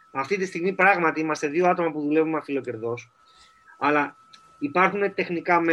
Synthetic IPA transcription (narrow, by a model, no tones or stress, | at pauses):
ɐft̪it̪ist̪iɣmipɾɐɣmɐt̪iimɐst̪e̞ðioɐt̪o̞mɐpuðule̞vumɐfilo̞ce̞ɾðo̞s | ɐlɐ | ipɐɾxune̞t̪e̞xnikɐme